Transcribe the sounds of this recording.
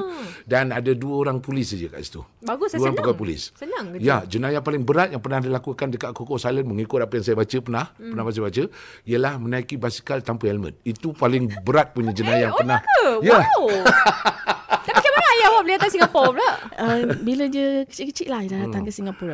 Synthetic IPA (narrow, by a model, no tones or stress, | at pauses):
danadaduəoɾaŋpulɪsad͡ʒəka̰ʔisi̥t̪ṵdaɡʊsuəɾaŋəkapulɪ̰ssənaŋjad͡ʒənajapalɪŋbəɾat̪̚jaŋpərnahdəlakukandəkaʔ̚kokɔʔsalənməŋikʊt̪̚apəjaŋsajabat͡ʃəpərnahpənahpas̬ajabat͡ʃə | iəlahmənaikibasi̥kalt̪ampəɛlmə̰̃t̪̚it̪upalɪŋbəɾat̪̚puɲad͡ʒənajaŋərnahja | dapakamanajawabəliat̪ansiŋɡapɔblaʔəbilədəkə̥t͡ʃiʔkət͡ʃiʔlahidadaaŋkəsiŋɡapɔɾ